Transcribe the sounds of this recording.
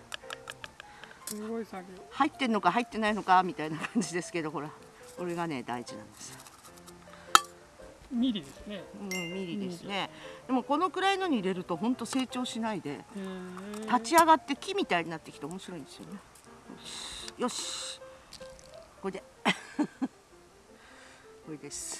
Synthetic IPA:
hait̪ːe̞ɾ̟no̞kaɦait̪ːe̞naino̞kamʲit̪ainakãɲ̟d͡ʑid̪e̞sɨ̥ke̞d̪oko̞ɾa | o̞ɾe̞ɡane̞d̪a̰iʑinã̰nd̪e̞̥sɨ̥ | mʲiɾʲiesneɯ̟̃ːmʲiɾʲid̪e̞sɨne̞d̪̥e̞mo̞ko̞no̞kɯ̟ɾaino̞ɲ̟iiɾe̞ɾɯ̟t̪o̞ɦõ̞nt̪o̞se̞ːt͡ɕo̞ːɕinaid̪e̞̰ | t̪at͡ɕiaɡat̪ːe̞kʲimʲit̪aiɲ̟inat̪ːe̞kʲi̥t̪eomo̞ɕiɾo̞ĩnd̪e̞sɨjo̞ne̞ | jo̰ɕjo̞ɕi̥ | kod̪e | koɾed̪e̞sɨ̥

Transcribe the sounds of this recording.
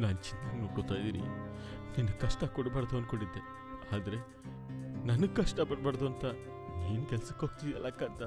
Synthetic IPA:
naːnt͡ʃint̪ɐɡnuːkot̪ːaːjd̪iːɾḭ | ninːɐɡkɐʂʈɐkɔɽbɐːɾd̪uɐnkoɳɖid̪ːe | aːd̪ɐɾe̞ | nɐnɐɡkɐʂʈɐpɐɽ̚bɐɽd̪uɐnt̪ɐ | niːnukɛlsɐkoːɡ̚t̪id̪iɐ̰lːɐkːaːnt̪ɐ

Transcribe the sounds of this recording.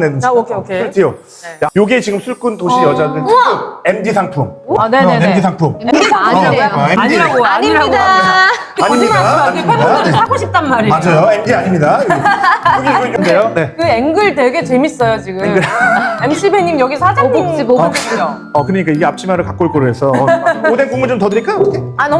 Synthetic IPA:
nedaokʰeokʰeɯɭtʰijo | jajoɡiet͡ɕiɡɯmsʰuɭk͈ɯntoɕʰijʌd͡ʑadɯne̞mdisʰaŋpʰumane̞neemdisʰaŋpʰumemediaaɲoeiɾaɡoaɲiɾaɡoa | aɲimiaaaɲɯemoɯsʰaɡoɕʰip̚t͈anmːaɾimad͡ʑajoemdiaɲimɲida | ɯɡoikɯndejone̞kɯeŋɡɯɭdwe̞ɡe̞t͡ɕe̞mis͈ʌjot͡ɕiɡɯemɡɯemɕ͈ʰibʰeɲimjʌɡisʰad͡ʑauiokjo | ʌkɯɾʌɲik͈aiɡeap̚t͡ɕ͈ʰimaɾɯɭkak͈oɭk͈oɾoɦe̞sʰʌodenkuŋmut͡ɕomtʌdɯɾik͈ajotʰeanʌ

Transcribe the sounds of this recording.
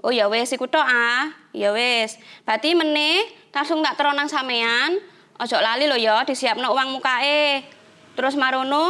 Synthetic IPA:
ʔojɔwɪsikuʈ̪ɔʔahjɔwɪsb̥a̤t̪imənɪhlasʊŋt̪aʔt̪əɾɔnaŋsamean | ʔɔd̥ʒ̥ɔ̤ʔlalilojɔd̪̥i̤siap̚nowaŋmukaʔe | t̪əɾʊsmaɾono

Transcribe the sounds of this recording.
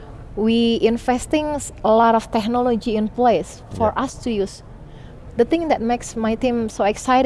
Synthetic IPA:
wiɪnfɛst̪ɪ̃ŋsəlɔɾɔft̪ɛk̚nɔlod͡ʒiɪ̃nples | fɔɹʔast̪ujus | d̪ət̪ɪ̃ŋd̪ɛt̚meksmajt̪ĩmsoɛksajɾ

